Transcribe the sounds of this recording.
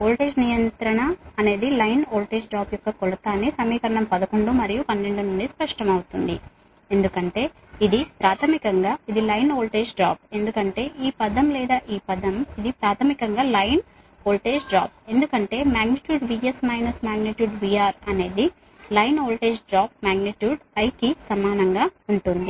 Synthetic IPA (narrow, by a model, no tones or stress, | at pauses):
oːlʈeːd͡ʒnijɐnt̪ɾɐɳɐːne̞ːd̪ilɐjnoːlʈe̞ːd͡ʒɖɾaːpjɔkːɐkɔlɐt̪aːnesɐmiːkɐɾɐɳɐmpɐd̪ɐkoɳɖumɐɾijupɐnːeɳɖununɖ̪ispɐʂʈɐmɐwut̪und̪ḭ | e̞nd̪ukɐɳʈe̞ː | id̪ipɾaːt̪ʰɐmikɐŋɡaːid̪ilɐjnoːlʈeːd͡ʒɖɾa̰ːp̚e̞nd̪ukɐɳʈe̞ːʔiːpɐd̪ɐmlɛːd̪aːʔiːpɐd̪ɐmid̪ipɾaːt̪ʰɐmikɐŋɡaːlɐjn | oːlʈe̞ːd͡ʒɖɾa̰ːp̚e̞nd̪ukɐɳʈe̞ːmaːɡniʈjuːɖʋiesmɐjnɐsmaːɡniʈjuːɖʋiaːɾɐne̞ːd̪i | lɐjnoːlʈe̞ːd͡ʒɖɾaːp̚maːɡniʈjuːɖpɐjkisɐmaːnɐŋɡaːuɳʈund̪i